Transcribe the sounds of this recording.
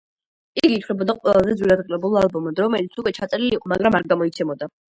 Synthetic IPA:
iɡiːt̪ʰlɛbɔd̪aqʼwɛ̰lˠazɛd̪zwiɾad̪ʁilɛbulˠalˠbɔmɔd̪ɾɔmɛlit̪sʰukʼwɛt͡ʃʰat̪sʼɛɾiliːqʼɔmaɡɾamaɾɡamɔit̪sʰɛmɔd̪a

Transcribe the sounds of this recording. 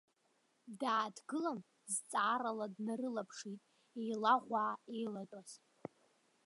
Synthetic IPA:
daːdɡɨlan | zt͡sʼaːɾaladnaɾɨlapʰʂitʼ | ejlaʁʷaːejlatʼaz̥

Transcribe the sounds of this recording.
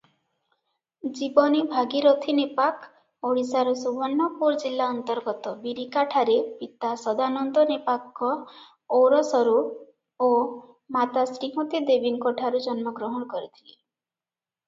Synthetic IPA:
d͡ʒibɔnibʱaɡiɾot̪ʰinepak | oɽisaɾɔsubɔnːɔpuɾd͡ʒilːaɔnt̪ɔɾɡɔt̪ɔbiɾikaʈʰaɾepit̪asɔd̪anɔnd̪ɔnepakːɔ | owɾɔsɔɾu | o | mat̪asɾiɦot̪id̪ebiŋkɔʈʰaɾud͡ʒɔnmɔɡɾɔɦɔnɔkɔɾit̪ʰile

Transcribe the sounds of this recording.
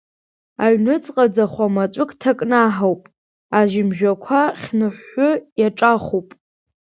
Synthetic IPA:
aɥnɨt͡sʼqʼad͡zaχʷamat͡ʃʷʼʊkʰʼtʰakʼnaħawpʼ | aʒɪmʒᶣakʷʰaχʲnɨħːʊjaʈ͡ʂʼaχʷupʼ

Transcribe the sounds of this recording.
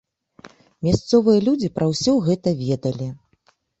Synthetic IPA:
mʲast̪sɔvɨjɐlʲud͡zʲipɾʔɐwsʲɔwɣɛt̪ɐvʲɛd̪ɐlʲi

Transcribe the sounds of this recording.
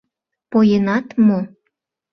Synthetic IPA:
pojənɑt̪mo

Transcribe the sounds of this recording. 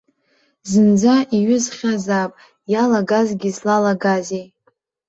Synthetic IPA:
zɨnd͡zaʔiɥʏzχʲazapʼ | jalaɡazɡʲizlalaɡazej

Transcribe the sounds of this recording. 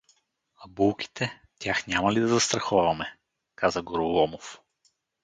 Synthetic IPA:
ɐbulˠkʲi̥t̪ʰɛ | t̪ʲjaxnʲamɐlid̪ɐzɐst̪ɾɐxɔvɐmɛ | kazəɡoɾulˠɔmof

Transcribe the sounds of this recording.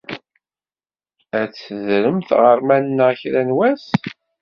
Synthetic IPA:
æt͡sːðɾəmθʁəɾmænnːəçɾænwæs

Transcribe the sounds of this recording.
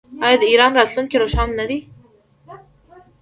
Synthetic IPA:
ɑjɑd̪əiɾɑnɾɑt̪luŋkiɾoʃɑnːad̪i

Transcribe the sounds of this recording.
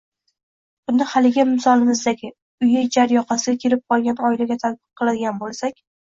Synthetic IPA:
b̥ʊnɪhalɪɡʲɪmɪsɒlˠɪmɪzd̪aɡʲɪ | ʊjad͡ʒaɾjɒqɑsɪɡʲakʲʰe̞lɪp̚qʰɒlˠɡʲanɒɪlaɡʲat̪ʰat̪̚bɨq̚qʰːɨlˠad̪ɪɡʲanbolˠsakʲ

